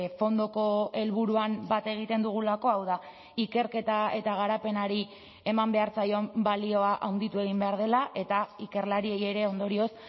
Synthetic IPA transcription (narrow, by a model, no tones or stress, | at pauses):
fo̞nd̪o̞ko̞e̞lβuɾuambat̪e̞ɣ̞it̪e̞nd̪uɣ̞ulako̞awða | ike̞ɾke̞t̪ae̞t̪aɣ̞aɾape̞naɾi | e̞mambe̞aɾt͡sajo̞mbalio̞aʔawnd̪it̪ue̞ɣ̞imbe̞aɾð̞e̞laʔe̞t̪aike̞ɾlaɾie̞je̞ɾe̞o̞nd̪o̞ɾio̞s